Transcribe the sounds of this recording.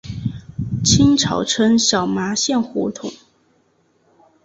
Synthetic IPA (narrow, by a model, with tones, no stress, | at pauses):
t͡ɕʰi˥nʈ͡ʂʰɑ˨˩ʊʈ͡ʂʰə˥ŋɕjɑ˨˩ʊma˧˥ɕjɛ˥˩nxɔ˧˥t̪ʰʊ˨˩˦ŋ